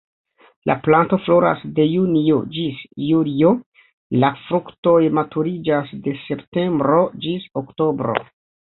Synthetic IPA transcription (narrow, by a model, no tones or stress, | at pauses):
lʔa̰planto̞flo̞ɾa̰sde̞junio̞d͡ʒisjulio̞ | lafɾukto̞jmatuɾid͡ʒasde̞se̞pte̞mbɾo̞d͡ʒisokto̞bɾo̰